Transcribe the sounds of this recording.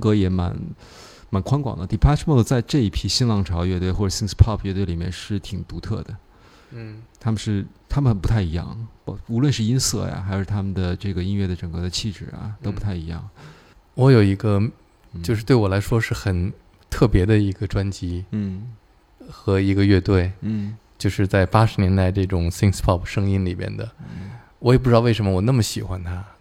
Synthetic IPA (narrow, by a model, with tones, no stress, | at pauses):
kɤ˧˥jɛ˨˧˥ma̰˧˥n | ma˨˩˥nkʰwa˥ŋkwɑ̰˨˩ŋd̪ə˦t̪i˨˩pʰa˥ʂʰmo˥˩t͡sa˥˧ɪʈ͡ʂɤ˥˧i˥˩pʰi˥ɕi˥ŋlɑ˥˩ŋʈ͡ʂʰɑ˧˥ʊɥɛ˥˧t̪we˥˧ɪxwɔ˥˩ʈ͡ʂɤ˨˩si˥ŋspʰɑ˥˧pʰɥɛ˥˧t̪wɪli˨˩mjɛ˥˧nʂɻ̩˥˩t̪ʰi˨˩ŋt̪u˧˥t̪ʰɤ̰˥˩d̪ə˩ | t̪ʰa˥mə˨ʂɻ̩˥˩t̪ʰa˥mə˨˩pu˧˥t̪ʰa˥˩ɪi˧˥jɑ̰˥˩ŋ˧u˧˥lwə˥˧nʂɻ̩˥˩i˥nsɤ̰˥˩ja̰˨˩xa˧˥ɪʂɻ̩˥˩t̪ʰa˥mə˨nd̪ə˩ʈ͡ʂɤ˥˩ɡə˩i˥nɥɛ˥˩d̪ə˩ʈ͡ʂɤ˨˩ŋkɤ˧˥d̪ə˧t͡ɕʰi˥˩ʈ͡ʂɻ̩˨˩ɐ̰˩t̪o˥ʊpu˧˥t̪ʰa˥˩ɪi˧˥jɑ̰˥˩ŋ | wɔ˧˥jo˨˩ʊi˧˥ɡə˧ | jo˥˧ʊʂ̬ɻ̩˥˧we˥˩ɪwɔ˨˩la˧˥ɪʂwɔ˥ʂɻ̩˥˩xə˨˩n | t̪ʰɤ˥˩pjɛ˧˥d̪ə˧i˧˥ɡə˧ʈ͡ʂwa˥nt͡ɕi˥˩ | xɤ˧˥i˧˥ɡə˧ɥɛ˥˧t̪we˥˩ɪ˥˩t͡ɕjo˥˧ʊʂɻ̩˥˧t͡sa˥˩ɪpa˥ʂɻ̩˧˥njɛ˧˥nt̪a˥˧ɪʈ͡ʂɤ˥˩ʈ͡ʂʊ˨˩ŋsi˥ŋspʰɑ˥˩pʂɤ˥ŋi˥nli˨˩mjɛ̰˥˩nd̪ə˩ | wɔ˧˥jpu˥˩ɻɑ˥˧˥ʂə˧˥mə˧wɔ˨˩na˥˩mə˩ɕi˨˩xwa˦˥nt̪ʰa˥